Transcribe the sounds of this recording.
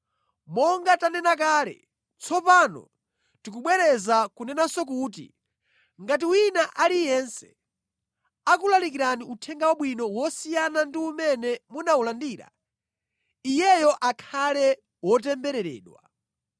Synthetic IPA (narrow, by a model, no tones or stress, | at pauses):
mɔŋɡatanɛnak̬aːlɛ̰ | t͡sʰɔpanɔ̰ | tik̬uɓwɛɾɛzakunɛnasɔk̬uːt̬ḭ | ŋɡat̬iwinaʔalijɛnsɛ̥ | ak̬ulalik̬iɾaniutʰɛŋɡawaɓwinɔwɔsijanandiumɛnɛmunaulandiːɾa̰ | ijɛjɔʔakʰalɛ | wɔt̬ɛmbɛɾɛɾɛ̰ːɗwa̰